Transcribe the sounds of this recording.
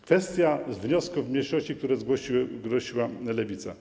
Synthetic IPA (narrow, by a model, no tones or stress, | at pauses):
kfɛst̪ʲjazvɲɔskuvmɲejʂɔɕt͡ɕik̚t̪uɾɛzɡwɔɕiɡɾɔɕiwalɛvʲit̪sa̰